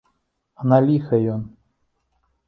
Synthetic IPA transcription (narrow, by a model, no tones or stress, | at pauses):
ɐnalʲixɐjɔn